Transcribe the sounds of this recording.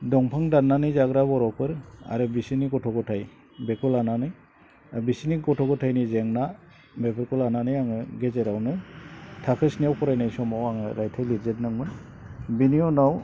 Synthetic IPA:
dɔŋpʰaŋdanːanɯzaɡɾabɔɾɔpʰɯɾa̰ɾɯbisiniɡɔtʰɔɡɔtʰaj | bekʰɔlananɯj | bisiniɡɔtʰɔɡɔtʰajnizeŋna | bepʰɯɾkɔlananɯjaŋɯɡezeɾawnɯtʰakʰɯsnijawpʰɔɾajnajsɔmawaŋɯɾajtʰajliɾzet̚nɯŋmɯn | biniɔnaw

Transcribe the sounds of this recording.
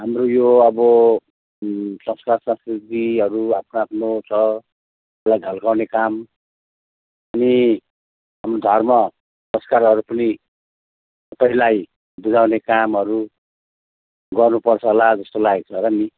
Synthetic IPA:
ɦamrojoʌbʌ | sʌŋskarsʌsit̪iʌɾuapʰnoapʰnot͡sʰʌ | lajɡʱʌlkawnekam | ʌni | ɦamrod̪ʱʌrmʌ | psʌskaɾɦʌɾupʌni | ssʌpaĩlaj | bud͡zawnekamɦʌɾu | ɡʌrnupʌrt͡sʰʌlad͡zʌst̪olak̚t͡sʰʌɾʌni

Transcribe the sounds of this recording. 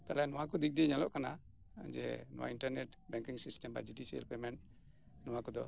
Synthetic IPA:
t̪alanuwakud̪ik̚d̪iɲalɔʔkana̰ | d͡ʒɛ̰nṵwa̰inʈəɾnɛt | bɛŋkiŋsistɛmba̰d͡ʒudisiɛ̰lpɛmɛn | nuwakud̪ɔ

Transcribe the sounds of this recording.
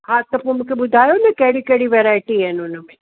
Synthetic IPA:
ɦãt̪ɐpomũːkʰeɓʊd̪ʱaːjonɐkɐɦɽikɐɦɽiʋɛɾaːɪʈiɦɛnʊnəmẽ

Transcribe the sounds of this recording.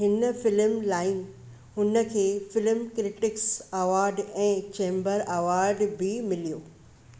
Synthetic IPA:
ɦɪnəfɪlmlaːɪn | ɦʊnə̆kʰeːfɪlmkɾɪʈɪksɐʋaːɾɖɛ̃ːt͡ɕẽːmbəɾaʋaːɾɖbɪmɪlijoː

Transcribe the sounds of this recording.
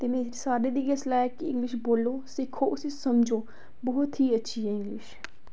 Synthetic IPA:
t̪eːmɛ̃ːsaːɖeːd̪iːɡeslaːkɪɪ̃ŋɡlɪʃboːloːsɪkʰːoːʔʊsesəmd͡ʒoː | bɔːʊt̪ɦiːətːʃʰiːɛɪ̃ŋɡlɪʃ

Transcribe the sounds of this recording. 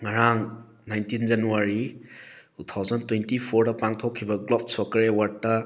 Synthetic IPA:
ŋɐɾaŋ | najntind͡ʒɐnuwaɾi | tʰutʰːawzɐntwentipʰoɾdɐpaŋtʰokʰːibɐɡlop̚sɔkɐɾewaɾ̚tɐ

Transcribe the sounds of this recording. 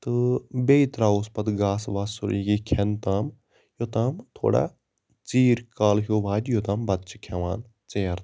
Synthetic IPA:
t̪ɨbeːit̪ɾaːuspɐt̪ɡaːsʋaːsṵɾiɡikʰent̪aːm | jot̪aːmt̪ʰo̰ːɽa̰ː | t͡siːɾkaːlɦjoːʋaːd̪ʲjot̪aːmbɐt̪t͡ʃi̥kʰɐʋaːn | t͡seːɾ

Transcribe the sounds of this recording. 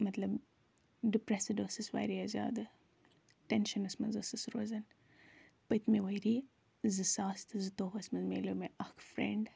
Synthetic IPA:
mɐt̪lɐb | ɖipɾɛsɨdoːsɨswa̰jɾiɐzʲa̰ːd̪ɨ | ʈɛnʃɐnɐsmɐnzɨsɨsɾozɐn | pɐjt̪mewɐjɾiː | zɨsaːst̪ɨzɨt̪oːɦɐsmɐzmḛːloːmeʔɐhkfɾḛɳɖ

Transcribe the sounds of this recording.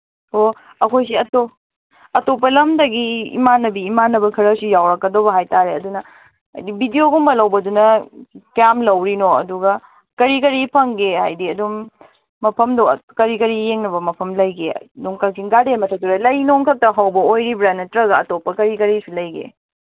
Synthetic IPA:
o | ɐkʰojsiɐto | ɐtop̬ɐlɐmdɐɡḭːmanːɐbiːmanːɐbɐkʰɐɾɐsijawɾɐkːɐdobɐɦajtaɾeɐdunɐ | ɐ̰jdibidijoɡuŋbɐlɐwbɐdunɐkjamlɐwɾinoɐ̰duɡɐ | kɐɾikɐɾipʰɐŋɡehajdiɐduŋː | ɐpʰɐmdɐ̰kɐɾikɐɾijeŋnɐbɐmɐpʰɐmlɐjɡḛduŋkɐk̚siŋɡademɐtʰɐtuɾalɐjnoŋkʰɐk̚tɐɦɐwbɐojɾibɾanːɐtɾɐɡɐɐtopːɐkɐɾikɐɾisulɐjɡḛ

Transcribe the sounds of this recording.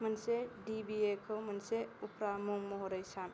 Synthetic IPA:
mənsedibiekʰɯwmɐnseupɾamuŋmɔɦɔɾɐjsan

